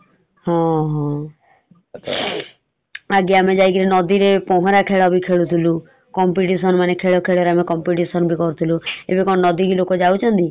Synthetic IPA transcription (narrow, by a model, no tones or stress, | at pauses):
ɦɔ̃ɦɔ̃ | aɡiamed͡ʒajk̬iɾinɔd̪iɾepɔɦɔ̃ɾakʰeɭɔbʱikʰeɭut̪ʰilu | kɔmpiʈisɔnmanekʰeɭɔkʰeɭɔɾeamekɔmpiʈisɔnbʱikɔɾut̪ʰiluebekɔnnɔd̪iɡilokod͡ʒaut͡ʃʰɔnt̪i